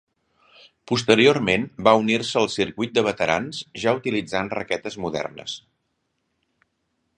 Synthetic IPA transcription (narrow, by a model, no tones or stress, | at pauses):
pust̪əɾiormenbaunirsəːlˠsiɾkujt̪̚d̪əβət̪əɾa̰nzʒaut̪ilid͡zanrə̰kɛt̪əzmuðɛ̰rnə̰s